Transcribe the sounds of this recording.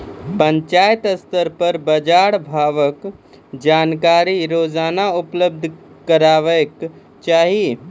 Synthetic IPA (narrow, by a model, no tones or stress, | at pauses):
pəɲt͡ʃajt̪əst̪əɾpəɾbəd͡ʒaɽbʱaʋək | d͡ʒaːnkaɾiɾod͡ʒaːnaupləb̚d̪ʱ | kəɾaʋək | t͡ʃaɦi